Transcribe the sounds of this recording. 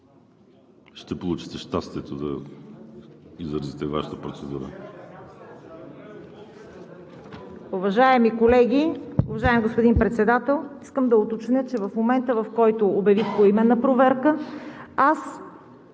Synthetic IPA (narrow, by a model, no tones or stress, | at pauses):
ʃt̪ɛpolˠut͡ʃi̥t̪ɛʃt̪ast̪iɛt̪od̪ɐ | izɾəzit̪ɛva̰ʃət̪əpɾot̪sɛd̪uɾə̰ | ʊvɐʒaɛmikolɛɡʲiʊvɐʒaɛmiɡospod̪inpɾɛt̪sɛd̪at̪ɛlˠiskəmd̪ɐot̪ot͡ʃnʲət͡ʃɛvɐfmomɛnt̪əvɐfkɔjt̪ʊːbjɐvixkoimɛnːɐpɾovɛɾkəas